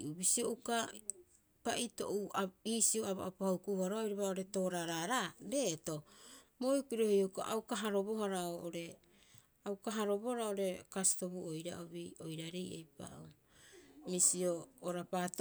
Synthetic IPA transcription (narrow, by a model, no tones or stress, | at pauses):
ubisioʔuka | paʔito̞̰ʔuaiːsioaβa̰ʔapahukuβaɾoaojɾaβaoɾe̞to̞ːɾaɾaɾaɾe̞to̞mojukiɾohioka̰ʔawkaɦaɾo̞bo̞ɦaɾaoʔoɾe̞ | awkaɦaɾo̞bohaɾaoɾe̞kasto̞βuojɾa̰ʔoβiojɾaɾejʔejpa̰ʔu | misioːɾapat